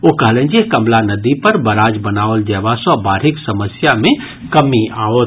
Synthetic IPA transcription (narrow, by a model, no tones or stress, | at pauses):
okəɦlẽnd͡ʒekəmlanəd̪ipəɾbəɾaːd͡ʒbənaːold͡ʒɛːbasɔbaːɾɦɪksəməsjamẽ | kəmiao